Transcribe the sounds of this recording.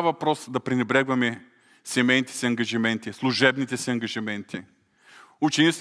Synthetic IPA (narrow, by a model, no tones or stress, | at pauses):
vɐpɾɔsd̪ɐpɾinɛbɾɛɡvɐmɛ | sɛmɛjnit̪ɛ̥siɐŋɡɐʒimɛnt̪islˠuʒɛbnit̪ɛsiɐŋɡɐʒimɛnt̪ʰi | ut͡ʃɛnit͡ʃ̪